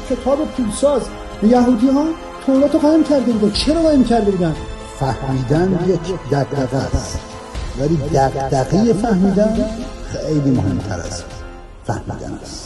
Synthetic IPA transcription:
kʰʲe̞t̪ʰɒːbe̞pʰulsɒːz | ejæɦuːd̪iːhɒː | t̪ʰoɾɒːt̪oɣɒːhemcʲʰæɾd̪e̞buːd̪ænt͡ʃʰeɾɒɣɒːhemcʰæɾd̪e̞buːd̪æn | fæhmiːd̪ænjecʰd̪æɡd̪æɣæst̪ | væliːd̪æqd̪æɡijefæhmiːd̪ænxejliːmohemt̪ʰæ̰ɾæ̰s | fæ̰hmḭːd̪æ̰næ̰st̪

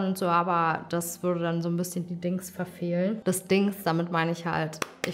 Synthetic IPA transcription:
nʊntz̥oːʔaːbɐd̥asv̥ʏɐɾədanzoːnbɪsçəndiːdɪŋsfɛɐfeːlənd̥ɛsd̥ɪŋsd̥amɪtmaɪnəɪçha̰ltʔɪ

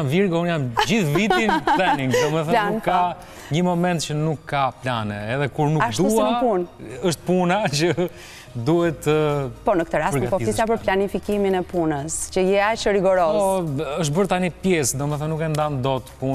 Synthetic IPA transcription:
mviɾɣunamd͡ʒiðvit̪imlˠɛnĩŋɡd̪ɔmɛfθɛnnũkːa | ɲəmɔmɛ̃nt̪t͡ʃənũŋkkːapʎanɛ̰ɛðɛkuɾnuaʃd̪uspunəʃt̪̚punat͡ʃə | d̪uɛt̪əpɔnəkət̪əɾaspəɾpɔizisapəɾplanifikiminɛpunəscəjɛaʃəɾiɡɔɾɔzɔəʃ̬t̪bəɾt̪anipjɛsd̪ɔmɛθɛnũŋkɛnd̪and̪ɔt̪pun

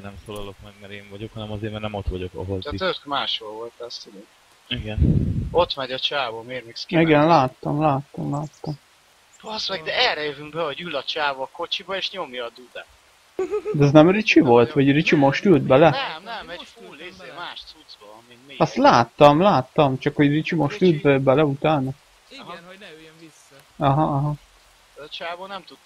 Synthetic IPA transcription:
nɛmsolɒlokmɛɡmɛɾeːɱvɒɟokhɒnɛmɒzeːɾmɛɾnɛmot̪ʋɒɟo̞kɒ̰ɦolɛt̪økmaːʃolvolt̪ɛst̪id̪e | iɡɛno̞t̪mɛɟɒt͡ʃaːvomeːɾmɛkskiɡɛnlaːt̪ːɒmlaːt̪ːɒmlaːt̪ːɒm | ɔsmɛɡd̪ɛɛlɾɛjøvyŋkbɛho̞ɟylɒt͡ʃaːvɔko̞t͡ʃibɒeːʃɲomjɒːd̪ud̪aː | d̪ɛɛznɛmrit͡ʃivo̞lt̪ʋɒɟrit͡ʃimo̞ʃt̪ylt̪̚bɛlɛnɛmɛzemaːʃt̪sud̪zbɔmiiɒst̪laːt̪ːɒmlaːt̪ːɒmt͡ʃɒkho̞ɟrit͡ʃimoʃt̪ylt̪̚bbɛlɛut̪aːnɒ | ɒɦɒɒɦɒ | ɛt͡ʃaːvoːnɛmt̪ud̪

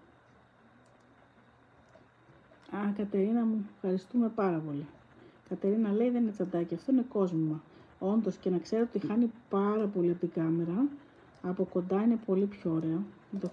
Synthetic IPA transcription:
ɐkɐt̪e̞ɾinɐmufxɐɾist̪ume̞pɐɾɐpo̞li | kɐt̪e̞ɾinɐle̞iðe̞nine̞t͡sɐnd̪ɐciɐft̪o̞ine̞ko̞zmimɐ | o̞nd̪o̞sce̞nɐkse̞ɾot̪ixɐnipɐɾɐpo̞liɐpt̪iɡɐme̞ɾɐ | ɐpo̞ko̞nd̪ɐine̞po̞lipço̞oɾe̞ɐ | t̪o

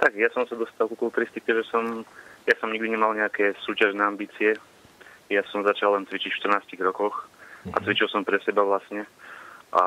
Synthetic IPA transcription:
t̪aɡjasɔmsad̪ɔst̪alkukult̪ɾist̪ikt̪ɛʒɛsɔmjasɔmɲiɡd̪iɲɛmalɲɛakɛːsuːcaʒnɛːambiːt͡siɛ | jasɔmzat͡ʃalːɛnt͡sʋit͡ʃicfʃt̪r̩naːsciɣɾɔkɔxʔa̰t͡sʋit͡ʃilˠsɔmpɾɛsɛbaʋlasɲɛʔa̰

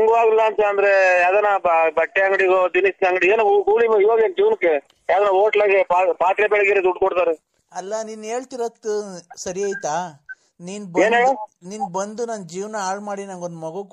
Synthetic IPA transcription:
ɐŋɡuʋaːɡilːaɐnt̪aɐnd̪ɐɾejaːd̪ɐnabbɐʈːeɐŋɡɽiɡoːd͡ʒ̪inisnɐŋɡɽieːnuuɡuːlimiʋaːɡend͡ʒiːʋnɐkːe | jaːd̪ɐnaoːʈlaːɡepaːpaːt̪ɾebɛɭɐɡenid̪uʈkɔɽt̪aːɾe | ɐlːɐniːne̞ːɭt̪iɾot̪ːusɐɾiaːjt̪aː | niːnbeːneːɭuniːnbɐnd̪unɐnd͡ʒiːʋnɐaːɭmaːɽinɐŋɡo̞nd̪mɐɡuk

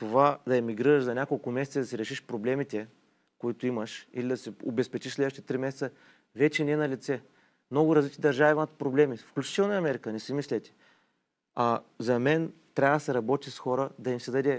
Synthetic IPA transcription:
t̪ovad̪ɐɐmiɡɾiɾəʃzɐnʲakolˠkʊmɛsɛtsid̪ɐsɛɾɛʃiʃpɾoblɛmit̪ɛ | koit̪ʊiməʃilid̪ɐsɛo̰bɛspɛt͡ʃiʃslɛd̪vʃt̪t̪ɾimɛsɛt̪sə | vɛt͡ʃɛnʲɛɛnɐlit̪sɛ | mnɔɡʊɾɐzlit͡ʃ̪id̪ɐɾʒavimt̪̚pɾoblɛmifklʲut͡ʃi̥t̪ɛlˠnɐɐmɛɾikənɛsimislʲɛt̪ʲɛ̥ | ɐzɐmɛnt̪ɾʲavəd̪ɐsɛɾɐbɔt̪ʲisxɔɾəd̪ɐimsɛd̪ɐd̪ɛ

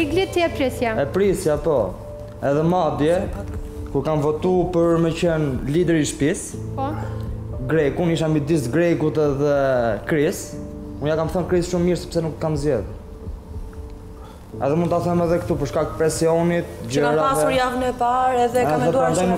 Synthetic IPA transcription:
iɡlit̪ɛpɾisjaɛpɾisjapɔ | ɛðɛmad̪jɛ | kuɾkamvɔt̪upəɾmɛcənlid̪ɛɾiʃpispɔ | ɡɾɛkuniʃ̬ambid̪isɡɾɛkut̪ɛðɛkɾisunjakamθənkɾisʃumːiɾsɛ̥psɛnukkamzjɛð | ɛ̰ðɛmund̪t̪aθɛmɛðɛkt̪upəɾʃkak̚tpɾɛsiɔnit̪̚ɟaɾaaɾjavnɛpaɾɛðɛɛamɛɛd̪uaan

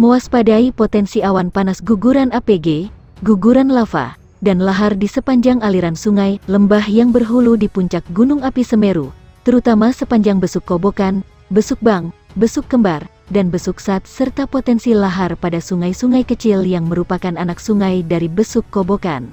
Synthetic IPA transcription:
moaspadaipot̪ɛnsiawanpanasɡuɡuɾanapeɡe | ɡuɡuɾanlafa̰ | danlaɦardisəpaɲd͡ʒaŋaliɾansuŋajləmbahjaŋbərɦuludipuɲt͡ʃak̚ɡunuŋapisəmeɾu | t̪əɾut̪amasəpaɲd͡ʒaŋbəsukːobokan | bəsuk̚baŋbəsuk̚ɡəmbar | danbəsuksat̪̚sərt̪apot̪ɛnsilaɦarpadasuŋajsuŋajkət͡ʃiljaŋməɾupakananaksuŋajdaɾibəsukːoboka̰n

